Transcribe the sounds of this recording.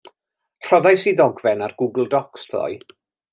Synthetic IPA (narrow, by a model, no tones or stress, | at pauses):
r̥ɔðajsiðɔɡvɛnarɡuɡl̩ˠdɔksðɔ̰j